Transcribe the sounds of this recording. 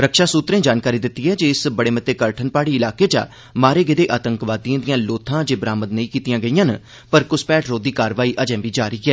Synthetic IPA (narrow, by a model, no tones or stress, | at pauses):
ɾəkʃaːsuːt̪ɾẽːd͡ʒaːnkaːɾiːd̪ɪt̪ːiːɦɛːd͡ʒeɪsbəɽeːmət̪eːkəɾʈʰənpaːɽiːɪlaːkeːd͡ʒa̰ː | maːɾeːɡɪd̪eːʔaːt̪əŋkʋaːd̪ijãːd̪ijãːloːt̪ʰãːd͡ʒeːbɾaːməd̪nəĩːkiːt̪ɪjãːɡəijãːn | pəɾkʊspɛːʈɾoːd̪iːkaːɾʋaːiːʔəd͡ʒɛ̃ːʋiːd͡ʒaːɾiiːɛː